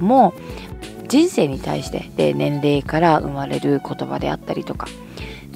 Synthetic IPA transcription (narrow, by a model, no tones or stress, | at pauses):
mo | d͡ʑĩɰ̃se̞ːɲ̟it̪a̰iɕi̥t̪e̞d̪̥e̞̰nẽ̞nɾe̞ːkaɾaɯ̟̰maɾe̞̰ɾɯ̟ko̞t̪o̞ba̰d̪e̞̰a̰t̪ːaɾʲit̪o̞kḁ